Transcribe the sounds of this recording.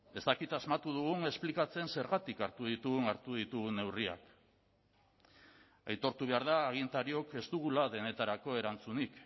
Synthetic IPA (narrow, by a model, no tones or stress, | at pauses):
e̞st̪akit̪azmat̪uð̞uɣ̞uŋe̞splikat͡se̞nse̞ɾɣat̪ikaɾt̪uð̞it̪uɣuŋaɾt̪uðit̪uɣune̞wria̰k | ajt̪o̞ɾt̪uβe̞aɾð̞aːɣ̞int̪aɾio̞ke̞st̪uɣ̞ulaðe̞ne̞t̪aɾako̞e̞ɾant͡sunik